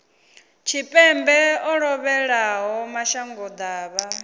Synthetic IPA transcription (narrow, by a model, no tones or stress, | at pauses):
t͡ʃʰipʼɛmbɛɔɺɔβɛɺaɦɔmaʃaŋɡɔd̪aːβa